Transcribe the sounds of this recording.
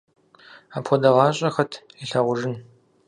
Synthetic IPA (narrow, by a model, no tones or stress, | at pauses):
aːpʰxʷɔdɐʁɑːɕʼɐxɐtʰiɬɐʁʷʊʐɨn